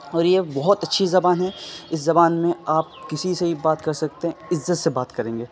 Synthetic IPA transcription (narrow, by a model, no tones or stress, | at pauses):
ɔːɾjebɔɦʊt̪ɐtːʃʰizɐbaːnɦɛɪs̬zɐbaːnmẽaːp̚kɪsiseɦibaːt̪kɐɾsɐkt̪eɦɛ̃ɪzːət̪sebaːt̪kɐɾẽːŋɡeː